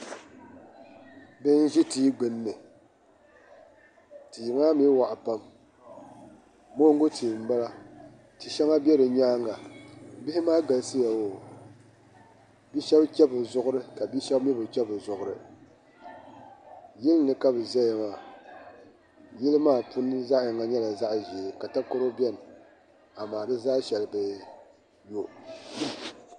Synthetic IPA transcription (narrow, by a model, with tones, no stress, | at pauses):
bɨ˦n˦ʒi˦tiː˦ɡ͡bɨ˨nːɨ˨ | ti˨ŋaː˦mi˦wa˨ʔa˨pa˦m | mo˦ŋ˦ɡʊ˦tʰi˨m̩˨ba˦la˦ | tɨ˨ʃɛ˦ŋa˦bjɛ˦ɾɨ˨ɲaː˦ŋɡa˨bɪ˦hɪ˦maː˦ɡa˨˦sɨ˦ja˨wo˨ | bi˦ʃɛ˦bkʲɛ˦bɨ˨zʊ˦ʔʊ˦ɾɨ˦ka˨bi˦ʃɛ˦bmɛ˦bɨ˨kʲɛ˦bɨ˨zʊ˨ʔʊ˨ɾɨ̰˨ | jɪ˦lnɨ˨ka˦bɨ˨zɛ˦ja˨maː˦˨ | jɪ˦lɨ˦maː˦˨pu˦nɨ˦za˦ʔŋa˨ɲɛ˦la˨za˦ʔʒi˨ka˨ta˦ko˦ɾo˦bɛ˦˨n˨ | a˨maː˨bɨ˦zaː˦ʃɛ˨lɨ˨bɨ˦ | jo˦